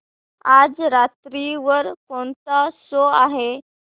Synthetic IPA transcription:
ad͡zɾat̪ɾiʋəɾkoɳt͡s̪asoaɦe

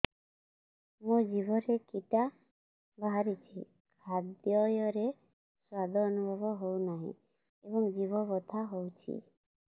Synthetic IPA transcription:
mũd͡ʒibʱɔɾekiʈa | bʱaɦaɾit͡ʃʰi | kʰad̪jɔjɔɾe | swad̪ʱɔːnubʱɔbɔɦownaɦḭ̃ | ebɔŋd͡ʒibʱɔbɔt̪ʰaɦowt͡ʃʰḭ

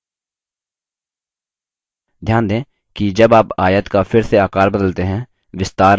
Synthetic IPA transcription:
d̪ʱjaːnd̪ẽː | kid͡ʒɐbaːpaːjət̪kafʰɪɾseaːkaːɾbəd̪əlt̪eɦɛ̃ː | ʋɪst̪aːɾ

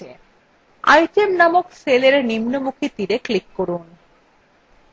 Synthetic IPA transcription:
e | a̰jʈemnamokseleɾnimnomukʰit̪iɾeklikːoɾun

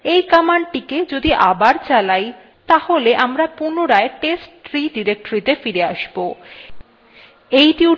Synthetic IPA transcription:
ejkamaɳʈiked͡ʑod̪iʔabaɾt͡ɕalaj | t̪aholeʔamɾapunoɾaeʈesʈɾiɖiɾek̚ʈoɾit̪efiɾeaʃbo | ejʈi

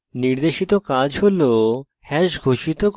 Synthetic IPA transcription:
niɾd̪eʃit̪okad͡ʑɦolo | hɛʃɡʱoʃit̪o

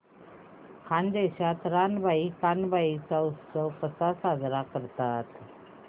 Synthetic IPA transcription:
kʰand̪eɕat̪ɾanbʱaikanbʱait͡sawsəwkəsasad͡zɾakəɾt̪at̪

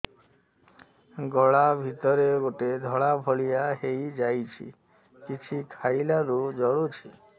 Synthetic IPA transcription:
ɡɔɭabʱit̪ɔɾeɡoʈed̪ʱɔɭabʱɔɭijaɦejd͡ʒajt͡ʃʰḭ | kit͡ʃʰikʰajlaɾud͡ʒɔɭut͡ʃʰi

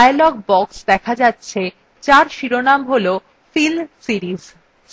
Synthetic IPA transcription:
aelɔɡ̚bɔksd̪ɛkʰad͡ʑatːɕʰe | t͡ɕaɾʃiɾonamɦolo | filsiɾiz

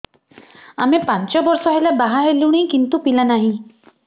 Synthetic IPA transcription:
amepant͡ʃɔbɔɾsɔɦelabaɦaɦeluwɽ̃ikint̪upilanaɦĩ

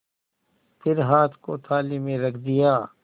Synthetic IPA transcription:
pʰɪɾɦaːt̪ʰkot̪ʰaːlimẽɾɐkʰd̪ijaː

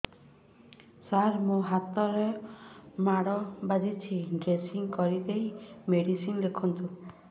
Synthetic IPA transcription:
saɾmũɦat̪ɔɾe | maɽɔbad̪it͡ʃʰiɡesiŋkɔɾid̪ejmeɽisinlekʰɔnt̪u

